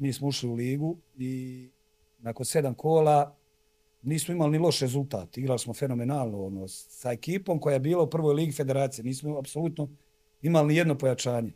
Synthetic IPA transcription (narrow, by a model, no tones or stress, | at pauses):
miːsmouʃliuliːɡu | i | nako̞nse̞d̪amkʰoːla | niːsmoimalinilˠo̞ʃɾe̞zult̪a̰ːt̪iɡɾalismo̞fe̞no̞me̞naːlˠnoonosae̞kiːpo̞ːmkojajebiːlaupr̩ʋojliːɡife̞d̪e̞ɾaːt̪sije̞niːsmoapsolut̪no̞ | imalinije̞d̪no̞pojat͡ʃaːɲe̞